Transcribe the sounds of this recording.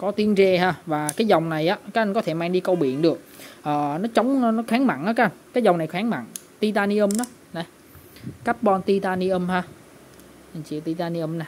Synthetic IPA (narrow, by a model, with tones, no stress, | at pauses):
kɔ˨˦t̪i˨˦ənzɛ˧haː˧˩vaː˨˩kaː˨˦jzɔ˨˩wŋ͡mna˨˩jʔaː˨˦kaː˨˦˥k̚ʔa˧jkɔ˨˦t̪ʰe˧˩maː˧ŋɗi˧kə˧wɓḭ˧˨ənɗɨ˨˩ək̚ʔəː˨˩nɔ˨˦t͡ɕə˨˦wŋ͡mnɔ˨˦xaː˨˦ŋma̰˧˨nʔaː˨˦ka˦˥ʔnkaː˨˦jzwŋ͡mna˨˩jxaː˨˦ŋma̰˧˨ŋ | t̪i˧t̪aː˧ni˧ʔə˧mnɔ˨˦ | na˨˩ | ka˦˥p̚ɓɔ˧nt̪i˧t̪aː˧ni˧ʔə˧mhaː˧ | ə˨˩t͡ɕḭ˧˨wt̪i˧t̪aː˧ni˧ʔə˧mna˨˩